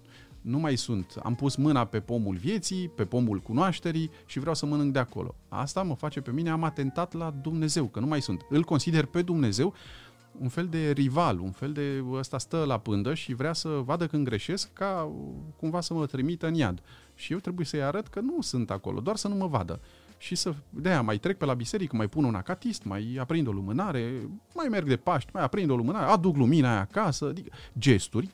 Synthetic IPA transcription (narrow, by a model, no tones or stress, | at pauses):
numajsunt̪a̰mpusmɨnape̞po̞mulvje̞t̪sijpe̞po̞mulkunoaʃt̪e̞ɾi | ʃivɾeawsəmənɨŋk̚d̪eako̞̰lo̞̰a̰st̪aməfat͡ʃe̞pe̞mine̞amat̪e̞nt̪at̪lad̪umne̞ze̞wkənumajsunt̪ɨlko̞nsid̪e̞rpe̞d̪umne̞ze̞w | unfe̞ld̪e̞rivalṵnfe̞ld̪e̞əst̪ast̪əlapɨnd̪əʃivɾeasəvad̪əkɨnɡɾe̞ʃe̞skʰːakumvasəmət̪ɾimit̪ɨnja̰d̪ | ʃije̞wt̪ɾebuje̞səjaɾət̪kənusɨnt̪ako̞̰lʔo̰d̪oarsənuməva̰d̪ə̰ | ʃisəd̪ejamajt̪ɾe̞k̚pe̞labise̞ɾikəmajpununa̰kat̪ist̪ma̰japɾind̪o̞lumɨnaɾe̞majme̞rɡd̪e̞paʃt̪ʲmajapɾind̪o̞lumɨnaɾead̪ukluminaja̰kasəad̪ikəd͡ʒe̞st̪urʲ